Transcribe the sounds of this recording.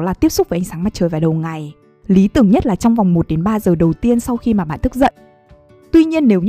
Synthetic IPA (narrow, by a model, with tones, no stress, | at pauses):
laː˨˩t̪i˦˥əp̚sʊ˦˥k͡p̚vəː˨˦ʔa˧ŋsaː˨˦ŋmaː˦˥t̚t͡ɕəː˨˩jvaː˨˩ɗə˨˩wŋa˨˩j | li˨˦t̪ɨ˨˩əŋɲə˦˥t̚laː˨˩t͡ɕɔ˧wŋ͡mva˨˩wŋ͡mmo˨˩t̚ɗe˨˦nɓaː˧zəː˨˩ɗə˨˩wt̪i˧ənsa˧wxi˧maː˨˩ɓa̰˧˨nt̪ɨ˦˥k̚zə̰˧˨jʔ | t̪wi˧ɲi˧ənːe˨˦w